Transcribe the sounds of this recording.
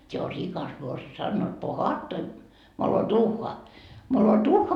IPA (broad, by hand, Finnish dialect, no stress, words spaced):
se o rikɑs morsiɑ sɑnːoit pohɑːtːoi moloduːhːɑ moloduːhːɑ